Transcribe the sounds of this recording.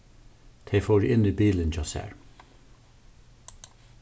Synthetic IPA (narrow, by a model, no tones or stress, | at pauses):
t̪ʰɛɪfoːɾʔɪniːbiːlənt͡ʃʰɔsæ̰ːɹ